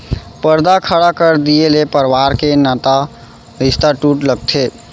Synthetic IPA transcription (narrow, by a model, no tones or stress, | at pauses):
pəɾd̪akʰəɽakəɾd̪ielepəɾʋaɾkenat̪a | ɾist̪aʈuʈləɡ̚t̪ʰe